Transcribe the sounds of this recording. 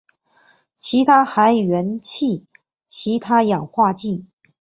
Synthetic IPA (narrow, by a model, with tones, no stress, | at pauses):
t͡ɕʰi˧˥t̪ʰa˥xa˧˥ɪɥɛ˧˥nt͡ɕʰi˥˩ | t͡ɕʰi˧˥t̪ʰa˥jɑ˨˩ŋxwa˥˧t͡ɕi˥˩